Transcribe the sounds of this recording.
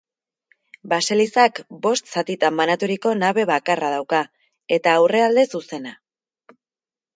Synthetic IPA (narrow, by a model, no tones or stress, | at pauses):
base̞lisakbo̞st̪sat̪it̪amːanat̪uɾiko̞naβe̞βakarað̞awka | e̞t̪aːwre̞ald̪e̞suse̞na